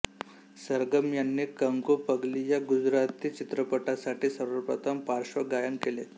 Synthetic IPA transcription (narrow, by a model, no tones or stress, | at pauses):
səɾɡəmjanːiːkəŋɡopəɡlijaɡud͡zɾat̪it͡ɕit̪ɾəpəʈasaʈʰiːsəɾəɾpɾət̪ʰəmpaɾʂʋəɡajənkele